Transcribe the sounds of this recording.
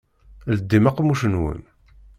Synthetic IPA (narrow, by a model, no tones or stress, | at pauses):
ləd̪ːimaqːmuʃənwə̰n